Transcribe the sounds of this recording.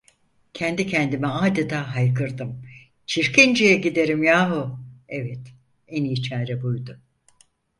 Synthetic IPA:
cʰɛnd̪icʰɛnd̪imɛaːd̪ɛd̪aɦajkʰɯɾd̪ɯm | t͡ʃʰiɾkind͡ʒijɛɟid̪e̞ɾimjaːɦuevɛt̪ | eniːt͡ʃʰæːɾɛbujd̪ʊ

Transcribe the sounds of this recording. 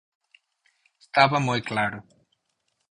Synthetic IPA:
est̪avɐmojklaɾʊ

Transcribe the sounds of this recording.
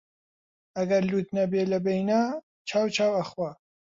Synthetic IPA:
ɐɡɐɾluːt̪nɐbeːlɐbejna | t͡ʃʰaːwt͡ʃʰaːwɐxwa

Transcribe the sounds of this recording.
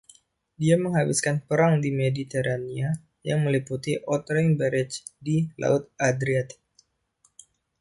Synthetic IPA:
diaməŋɦabiskanpəɾaŋdimedit̪eɾania | jaŋməliput̪iʔɔt̪ɾeŋbəɾɪt͡ʃdilʔa̰ʊt̪̚ad̪ɾiat̪

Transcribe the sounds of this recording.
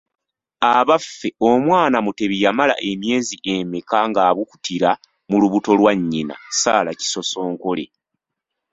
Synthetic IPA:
aβafːe̞o̞mwaːnamute̞βijamala̰ʔe̞mje̞ːziʔe̞mekaŋɡaːβuku̥tiɾa | muluβuto̞lwaɲːina̰saːlaci̥so̞so̞ːŋko̞le̞̰

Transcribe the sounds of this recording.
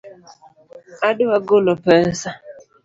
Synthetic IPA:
adʊwaɡʊlɔpɛsa

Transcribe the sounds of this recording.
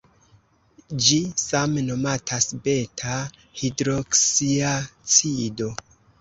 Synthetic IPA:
d͡ʒisamno̞matʰasbe̞tʰa | hidɾoksiat͡sido̞

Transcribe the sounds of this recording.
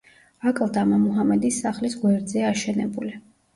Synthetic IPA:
akʼlˠd̪amamuɦamɛd̪isːaχlisɡwɛɾd̪zɛaʃɛnɛ̰buli

